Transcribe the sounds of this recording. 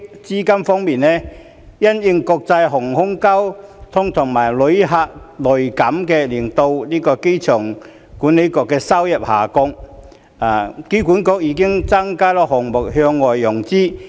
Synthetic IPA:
t͡siː˥kɐ˥mfɔː˥ŋmiː˨nnɛː˥ | jɐ˥njɪ˧ŋkɔː˧k̚t͡sɐ˧jɦʊ˨˩ŋhʊ˥ŋkɐ˥wt̪ʰʊ˥ŋt̪ʰʊ˨˩ŋmaː˨˩jlɵ˨˧ɥɦaː˧k̚lɵ˨˩ɥkɐ˨˥mkɛː˧liː˨˩nt̪o˧wliː˥kɔː˧ke˥jt͡ʃʰœː˨˩ŋ | kuː˨˥nle˨˧˥kɔː˧kːɛː˧sɐ˥wjɐ˨p̚ha̰ː˨˩kʊ˧ŋ | aː˨ke˥wkuː˨˥nkɔː˧k̚jiː˨˧˥kɪ˥ŋt͡sa˥ŋkaː˥lɔː˨˥hɔ˨ŋmʊ˨k̚ɦhœː˧ŋːɔː˨jːʊ˨˩ŋt͡siː˥

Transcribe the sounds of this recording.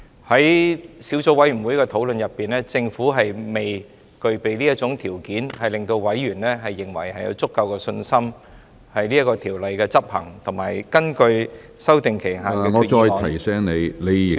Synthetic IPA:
hɐ˨˥jsiː˨˥wt͡so˧˥wɐ˨˥jy˨˩wu˨˧˥jkɛː˧t̪ʰo˨˥wlɵ˨˧njɐ˨˩pːiː˨nlɛː˥t͡sɪ˧ŋfuː˨˥ɦɐ˨jme˨j | kɵ˧ɥpe˨jliː˥jɐ˥t̚t͡ʃʊ˨˥ŋt̪ʰiː˨˩wkiː˨˥nhɐ˨˩jlɪ˨ŋt̪o˧wwɐ˨˥jːyː˨˩nlɛː˥ɦɐ˨jːɪ˨˩ŋwɐ˨˩jhɐ˨jɐ̰˧wt͡sʊ˥kːɐ˧wkɛː˧sɵ˧nsɐ˥m | hɐ˨jliː˥ɐ˥kːɔː˧t̪ʰiː˨˩wlɐ˨jkɛː˧t͡sɐ˥p̚hɐ̰˨˩ŋt̪ʰʊ˨˩ŋmaː˨˩jkɐ˥nkɵ˧ɥ | sɐ˥wt̪ɪ˨ŋkʰe˨˩ɦaː˨kɛː˧ŋɔː˨˧˥t͡ʃɔː˧jt̪ʰɐ˨˩jsɛː˨˥ŋne˨˧jne˨˧j

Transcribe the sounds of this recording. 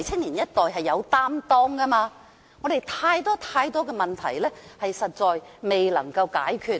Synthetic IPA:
jt͡sʰɪ˥ŋliː˨˩njɐ˥t̚t̪ɔː˨jɦɐ˨jːɐ˨˧wt̪aː˥mt̪ɔː˥ŋkɐ˥maː˧ | ŋɔː˨˧d̪e˨jt̪ʰaː˧jt̪ɔː˥t̪ʰaː˧jt̪ɔː˥kɛː˧mɐ˨nt̪ʰɐ˨˩jlɛː˥hɐ˨jsɐ˨t̚t͡ʃːɔː˨jme˨jlɐ̰˨˩ŋkɐ˧wka̰ː˨˥jkʰyː˨˩t̚

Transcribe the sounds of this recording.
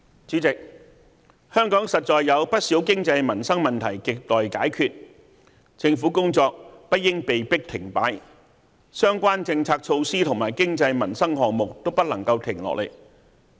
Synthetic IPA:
t͡siː˨˥t͡sɪ˨k̚ | hœː˥ŋkɔː˨˥ŋsɐ˨t̚t͡ʃɔː˨jːɐ˨˧wpɐ˥t̚siː˨˥wkɪ˥ŋt͡sɐ˧jmɐ˨˩nsɐ˥ŋmɐ˨nt̪ʰɐ˨˩jkɪ˨k̚t̪ɔː˨jkaː˨˥jkʰyː˨t̚ | t͡sɪ˧ŋfuː˨˥kʊ˥ŋt͡sɔː˧k̚pɐ˥t̚jɪ˥ŋpe˨jpɪ˥k̚t̪ʰɪ˨˩ŋpaː˨˥j | sœː˥ŋkʷaː˥nt͡sɪ˧ŋt͡sʰaː˧k̚t͡ʃʰo˧wsiː˥t̪ʰʊ˨˩ŋmaː˨˩jkɪ˥ŋt͡sɐ˧jmɐ˨˩nsɐ˥ŋhɔː˨k̚mʊ˨k̚t̪o˥wpɐ˥t̚lɐ˨˩ŋkɐ˧wt̪ʰɪ˨˩ŋlɔ̰˨k̚lḛ˨˩j

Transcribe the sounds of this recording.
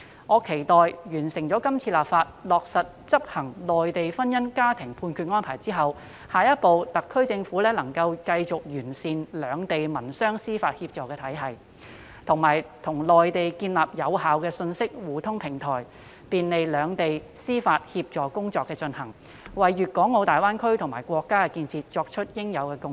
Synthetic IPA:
ŋɔː˨˧kʰe˨˩jt̪ɔː˨jjyː˨˩nsɪ˨˩ŋt͡sɔː˨˥kɐ˥mt͡sʰiː˧laː˨p̚faː˧t̚lɔː˨k̚sɐ˨t̚t͡sɐ˥p̚hɐ˨˩ŋlɔː˨˩jt̪e˨jfɐ˥njɐ˥nkaː˥t̪ʰɪ˨˩ŋpʰuː˧nkʰyː˧ŋɔː˥npʰaː˨˩jt͡siː˥ɦɐ˨w | haː˨jɐ˥t̚po˨˧wt̪ɐ˨kʰːɵ˥ɥt͡sɪ˧ŋfuː˨˥lɛː˥lɐ˨˩ŋkɐ˧wkɐ˧jt͡sʊ˨k̚jyː˨˩nsiː˧nlœː˨˧ŋt̪e˨jmɐ˨˩nsœː˥ŋsiː˥faː˧t̚hiː˧p̚t͡sɔː˨˥kɛː˧t̪ʰɐ˨˥jɦɐ˨j | t̪ʰʊ˨˩ŋmaː˨˩jt̪ʰʊ˨˩ŋlɔː˨jt̪e˨jkiː˧nlaː˨p̚jɐ˨˧whaː˨wkɛː˧sɵ˧nsɪ˥k̚wuː˨t̪ʰʊ˥ŋpʰɪ˨˩ŋt̪ʰɔː˨˩j | piː˧nle˨˧jlœː˨˧ŋt̪e˨j | siː˥faː˧t̚hiː˧p̚t͡ʃɔː˨˩kʊ˥ŋt͡sɔː˨˧kːɛː˧t͡ʃɵ˧nhɐ˨˩ŋ | wɐ˨jɥyː˨t̚kɔː˨˥ŋo˨˧wt̪aː˨jwaː˥nkʰɵ˥ɥt̪ʰʊ˨˩ŋmaː˨˩jkʷwɔː˧kːaː˥kɛ˧kiː˧nt͡sʰiː˧t̚t͡ʃɔː˧k̚t͡ʃʰɵ˥t̚jɪ˥ŋjɐ˨˧wkɛː˧kʊ˥ŋ

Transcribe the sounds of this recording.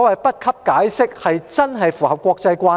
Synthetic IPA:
wɐ˨jpɐ˦˥t̚kʰɐ˥p̚kaː˨˥jsɪ˥k̚hɐ˨jt͡sɐ˥nɦɐ˨jfuː˨˩hɐ˨p̚kʷɔː˧k̚t͡sɐ˧jkʷaː˧

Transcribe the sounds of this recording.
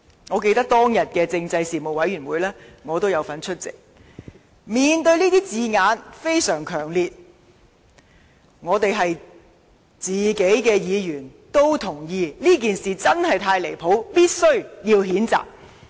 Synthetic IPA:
ŋɔː˨˧k̬e˧jt̪ɐ˥k̚t̪ɔː˥ŋjɐ˨t̚kɛː˧t͡sɪ˧ŋt͡sɐ˧jsiː˨mo˨˩wɐ˨˥jɥyː˨˩nwuː˨˧jlɛː˥ŋɔː˨˧t̪o˥wjɐ˨˧wfɐ˨˥nt͡ʃʰɵ˥t̚t͡sɪ̰˨k̚ | miː˨˩nt̪ɵ˧ɥliː˥t̪iː˥t͡siː˨˧ŋaː˨˧nfe˥jsœː˨˩ŋkʰœː˨˩ŋliː˨t̚ | ŋɔː˨˧t̪e˨jɦɐ˨j | t͡siː˨ke˨˥jkɛː˧jiː˨˧jyː˨˩nt̪o˥wt̪ʰʊ˨˩ŋjiː˧liː˥k̬iː˨nsiː˨t͡sɐ˥nɦɐ˨˩jt̪ʰaː˧jle˨˩jpʰo˨˥wpiː˥t̚sɵ˥ɥjiː˧wɦiː˨˥nt͡sa̰ː˨k̚

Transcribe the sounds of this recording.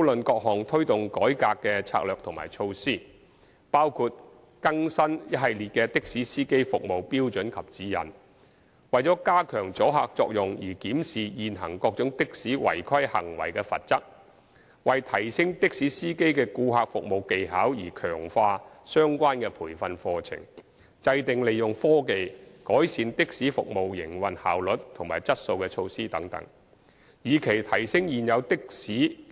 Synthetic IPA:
mo˨˥wlɵ˨nkɔː˧k̚ɦɔː˨˩ŋt̪ʰɵ˥ɥt̪ʊ˨ŋkɔː˨˥jkaː˧kːɛː˧t͡sʰa̰ː˧k̚lœː˨k̚t̪ʰʊ˨˩ŋma̰ː˨˩jt͡ʃʰo˧wsiː˥ | paː˥wkʰuː˧t̚ | kɐ˥ŋsɐ˥njɐ˥t̚hɐ˨jliː˨˩t̚kɛː˧t̪ɪ˥k̚siː˨˥siː˥ke˥jfʊ˨k̚mo˨wpiː˥wt͡ʃɵ˨˥nkʰɐ˨p̚t͡siː˨˥jɐ̰˨˩n | wɐ˨jt͡sɔː˨˥kaː˥kʰœː˨˩ŋt͡sɔː˨˥ɦa̰ː˧k̚t͡sɔː˧k̚jʊ˨˩ŋjiː˨˩kiː˨˥msiː˨jiː˨nɦɐ˨˩ŋkɔː˧k̚t͡ʃʊ˨˥ŋt̪ɪ˥k̚siː˨˥wɐ̰˨˩jkʰɐ˥jhɐ̰˨˩ŋwɐ̰˨˩jkɛː˧fɐ̰˨t̚t͡sɐ˥k̚ | wɐ˨jt̪ʰɐ˨˩jsɪ˥ŋt̪ɪ˥k̚siː˨˥siː˥ke˥jkɛː˧kuː˧ɦaː˧k̚fʊ˨k̚mo˨wke˨jɦaː˨˥wjiː˨˩kʰœ̰ː˨˩ŋfaː˧sœː˥ŋkʷwaː˥nkɛː˧pʰuː˨˩jfɐ˧nfɔː˧t͡sʰɪ̰˨˩ŋ | t͡sɐ˧jt̪ɪ˨ŋle˨jːʊ˨ŋfɔː˥ke˨jkɔː˨˥jsiː˨˧nt̪ɪ˥k̚siː˨˥fʊ̰˨k̚mo˨wjɪ˨˩ŋwɐ˨nha̰ː˨˩wlɵ˨t̚t̪ʰʊ˨˩ŋmaː˨˩jt͡sɐ˥t̚so˧wkɛː˧t͡ʃʰo˧wsiː˥t̪ɐ˨˥ŋt̪ɐ̰˨˥ŋ | jiː˨kʰe˨˩jt̪ʰɐ˨˩jsɪ˥ŋjiː˨njɐ˨˧wt̪ɪ˥k̚siː˨˥

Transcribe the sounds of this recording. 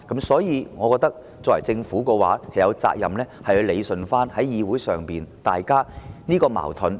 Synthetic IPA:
kɐ˨˥msɔː˨˥jiː˨˧ŋɔː˨˧kɔː˧k̚t̪ɐ˥k̚ | t͡sɔː˧˨wɐ˨˩jt͡sɪ˧ŋfuː˨˥kɔː˧waː˨˥kʰɐ˨jɐ˨˧wt͡sa̰ː˧k̚jɐ˨mlɛː˥hɐ˨jhɵ˧ɥle˨˧jsɵ˨nfaː˥nhɐ˨˥jjiː˨˧wuː˨˥jsœː˨ŋpiː˨nt̪aː˨jkaː˥niː˥kɔː˧ma̰ː˨˩wt̪ʰɵ˨˥n

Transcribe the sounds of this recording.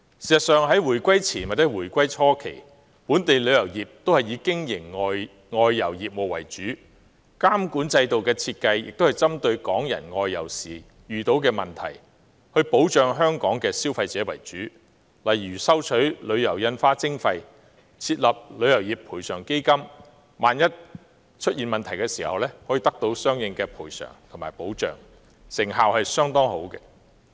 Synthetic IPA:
siː˨˩sɐ˨t̚sœː˨ŋɦɐ˨˥jwuː˨˩jkʷɐ˥jt͡sʰiː˨˩nwa˨˩t͡sːɛ˨˧˥wuː˨˩jkʷɐ˥jt͡ʃʰɔː˥kʰḛ˨˩j | puː˨˥nt̪e˨jlɵ˨˧ɥjɐ˨˩wjiː˨p̚t̪o˥whɐ˨jiː˨˧kɪ˥ŋjɪ˨˩ŋɔː˧j | ŋɔː˧jːɐ̰˨˩wjiː˨p̚wɔː˨˩wɐ̰˨˩jt͡ʃyː˨˥ | kaː˥mkuː˨˥nt͡sɐ˧jt̪o˨wkɛː˧t͡sʰiː˧t̚kɐ˧jjɪ̰˨k̚t̪whɐ˨jt͡sɐ˥mt̪ɵ˧ɥkɔː˨˥ŋjɐ̰˨˩nŋɔː˧jːɐ̰˨˩wsiː˨ | jyː˨t̪o˨˥wkɛː˧mɐ˨˩nt̪ʰɐ̰˨˩j | hɵ˧ɥpo˨˥wt͡ʃœː˨˧ŋɦœː˥ŋkɔː˨˥ŋkɛː˧si˥wfɐ˧jt͡sɛː˨˥wɐ˨˩jt͡ʃyː˨˥ | lɐ˨˩jɥyː˨˩sɐ˥wt͡ʃʰɵ˨˥ɥlɵ˨˧ɥjɐ˨˩wjɐ˧nfaː˥t͡sɪ˥ŋfɐ˧j | t͡sʰiː˧t̚lɐ˨p̚lɵ˨˧ɥjɐ˨˩wjiː˨p̚pʰːuː˨˩jsœː˨˩ŋke˥jkɐ˥m | maː˨˧njɐ˥t̚ | t͡ʃʰɵ˥t̚jiː˨nmɐ˨nt̪ʰɐ˨˩jkɛː˧siː˨˩hɐ̰˨wlɛː˥hɔː˨˥jiː˨˧t̪ɐ˥k̚t̪o˨˧wsœː˥ŋjɪ˧ŋkɛː˧pʰuː˨˩jsœ̰ː˨˩ŋt̪ʰo˨˩ma̰ː˨˩jpo˨˥wt͡ʃœ̰ː˨˩ŋ | sɪ˨˩ŋɦaː˨whɐ˨jsœː˥ŋt̪ɔː˥ŋho̰˨˥wkɛ˧

